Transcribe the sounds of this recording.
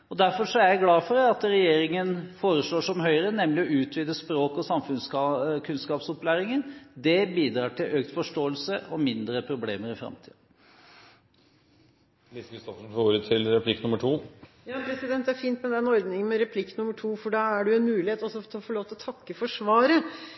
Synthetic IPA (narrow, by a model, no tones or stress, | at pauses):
ɔd̪æɾfɔʂɔæɾjæɪɡlɑːfɔɾɛɑt̪ɾɛjeːɾɪŋənfoːɾəsloːʂɔmɦœʏɾənɛmlɪɔʉːt̪ʰʋiːd̪əspɾoːkɔsɑmfʉnsɑkʰʉnskɑːpsɔplæːɾɪŋənd̪ɛbiːd̪ɾɑːʈʰɪlʔøːkt̪fɔʂʈoːəlsəʔɔmɪnd̪ɾəpʰɾʊblḛːməɾɪfɾɑ̰mt̪ʰḭːd̪ə | ʋɪskəst̪ɔfəɳ̩fouːɾət̪ʰɪlɾɛpʰlɪkːnʉməʈʰuː | jɑːpʰɾɛsɪd̪ɛnt̪æɾfiːnt̪mɛd̪ɛɛnɔɾd̪nɪŋənmɛɾɛpʰlɪkːnʉmːəʈʰuːfɔɖɑːæɖʉɛnmʉːlɪheːt̪ɔsɔt̪ʰɔfɔɭoːʋt̪ɪɔt̪ʰɑkːəfɔʂʋɑːɾə